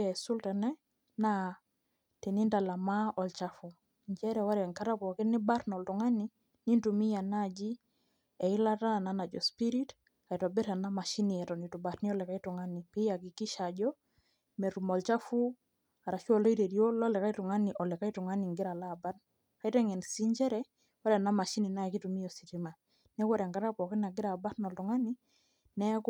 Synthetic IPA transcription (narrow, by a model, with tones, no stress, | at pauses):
ɛsu˦ltɛ˨nɛ˦ | na˦ | ti˨ni˦nda˨la˨ma˦ɔ˨lt͡ʃa˦fu˨ | ɲd͡ʒɛ˦ɾɛ˨wa˦ɾjɛ˨ŋka˦ɾa˦kɔ˨kɪ˦nɪ˦ba˦ɾnɔ˨ltʊŋa˦ni | ni˦ntumi˦ja˨na˦d͡ʒi˦ | ɛ˨ɪ˦la˦ta˦a˨nana˨d͡ʒɔ˨spi˦ɾi˦t | ka˨i˨tɔ˨bɛ˦ɾa˨na˦ma˨ʃi˦niɛ˨tɔ˨ni˨tu˨ba˨ɾnɪ˦ɔ˦lɛ˨ka˦itʊ˨ŋa˦nipi˦ja˨kɪ˨kɪ˦ʃad͡ʒɔ˦ | mɛ˨ɾu˨mɔ˨lt͡ʃa˦fu˦ | a˨ɾa˨t͡ʃu˦ɔ˦˨lɔ˦i˦ɾe˨ɾjo˦lɔ˦lɛ˨ka˦i˦tʊ˨ŋa˦ni˨ʔɔ˨lɛ˨ka˦i˦tʊ˨ŋa˦ni˨ŋɡɪ˦ɾa˨la˦˨ba˦t | ka˨i˦tɛ˦ŋɛ˨nsi˦ɲd͡ʒɛ˦ɾɛ | wɔ˦ɾɛ˨na˦ma˨ʃi˦ni˨na˦˨ki˦tu˨mi˦jɔ˨si˨ɾi˦ma˨ | nɛ˦wɔ˦ɾɛ˨ŋɡa˦ɾa˦pɔ˨kɪ˦na˨ɡɪ˦ɾa˨ba˦tnɔ˨lʊ˨ŋa˦ni˦ | nɛ˦k